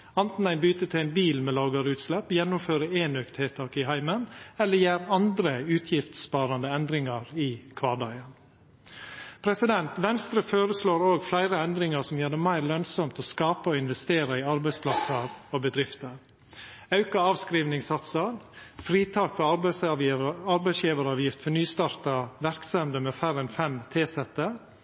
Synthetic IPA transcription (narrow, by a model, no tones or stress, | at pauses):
ɑnt̪n̩æɪnbyːt̪ət̪ʰɪæɪnbiːlmɛːlɑːɡɑɾʉːt̪slɛpːjɛnːʊmføːɾəeːnøːkt̪heːt̪ʰɑːkɪɦæɪmənɛlːəjæːɾɑnd̪ɾəʉːt̪ʰjɪft̪spɑːɾɑnd̪əɛnd̪ɾɪŋɑɾɪkʰʋɑːɖɑɪən | pʰɾɛsɪd̪ɛnt̪ʋɛnst̪ɾəføːɾəsloːɾoːɡflæɪɾəɛnd̪ɾɪŋɑsɔmjøːɖɛmæɪɾlœnsɔmt̪ɔːskɑːpəɔɪnʋɛst̪eːɾɑɪɑɾbæɪspʰlɑsəɾoːbəd̪ɾɪft̪əɾ | ɑʉkɑɑːʋskɾiːʋnɪŋsɑt̪səɾfɾiːt̪ʰɑːkfɔ | ɑɾbæɪsjiːʋəɾɑːʋjɪft̪fɔnyːst̪ɑːɾt̪ɑʋæɾksɛmd̪əmɛːfæɾɛnfɛmt̪ʰeːsɛt̪ə